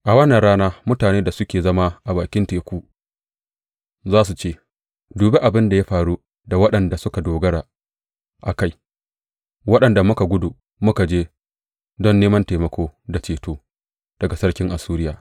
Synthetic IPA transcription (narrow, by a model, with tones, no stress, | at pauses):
ʔa˨wɐ˦nːɐ˨ɽaː˦naː˦mʊ˦taː˨neː˦da˨sʊ˦kʲeː˨zɐ˦ma˦ʔa˨baː˨kʲɪ˦nteː˨kʷuː˦ | zaː˦s̬u˨t͡ʃeː˦ | duː˨be˦ʔa˨bɪ˦nda˨ja˦ɸaː˨ɽu˦ | da˨wɐ˦ɗɐ˨nda˨sʊ˦ka˨doː˨ɡɐ˦ɽaː˨ | ʔa˨ka˦j | wɐ˦ɗɐ˨nda˨mʊ˦ka˨ɡʷʊ˦duː˨ | mʊ˦ka˨d͡ʒeː˦ | dɔ˦˨nːeː˦mɐ˦nteː˨mɐ˦kʷoː˦da˨t͡ʃeː˨toː˦ | d̥ɐ˨ɡa˨sɐ˦ɽkʲɪ˦ŋʔa˨suː˦ɾɪ˦jaː˨